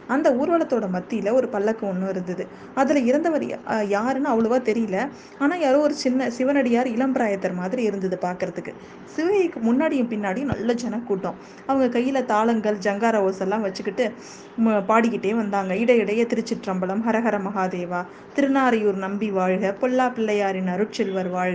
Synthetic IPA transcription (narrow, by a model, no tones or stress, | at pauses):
ɐnd̪ɐuːɾʋɐɭɐt̪ːoːɽɐmɐt̪ːɪjɪlɐɔɾɯpɐlːɐkːɯɔnːɯ̃ɪɾɯnd̪ɐðɯ | ɐðɪlɐɪɾɯnd̪ɐʋɐɾ̰jaːɾnɯɐʋɐɭɯʋaːt̪ɛɾɪjɯlɐ | aːnaːɛɾoːɔɾɯt͡ʃɪnːɐsɪʋɐnɐɽɪjaːɾɪlɐmbɪɾaːjɐt̪ːɐɾmaːðɪɾiɪɾɯnd̪ɐðɯpaːɾkɯɾɐðɯkːɯ | sɪʋɐjɐkːɯmʊnːaːɽɪjɯ̃mpɪnːaːɽɪijɯ̃nɐ̰lːɐd͡ʒɛnɐkːuːʈːõː | ɐʋɐŋɡɐkɐjːɪlɐt̪aːlɐŋɡɐɭd͡ʒɐŋɡaːɾɐʋoːsɐlːãːʋɐt͡ʃːɯkːɪʈːɯ | paːɽɪkːɪʈːeːʋɐnd̪aːŋɡɐɪɽɐɪɽɐjɐt̪ɪɾɯt͡ʃːɪʈɾɐmbɐlɐmɦɐɾɐɣɐɾɐmɐɣaːðeːʋaː | t̪ɪɾɯnaːɾɐjuːɾnɐmbiʋaːɻɣɐpɔɭːaːpɪlːɐjaːɾɪnɐɾɯʈ̚t͡ʃɪlʋɐɾʋaːɻ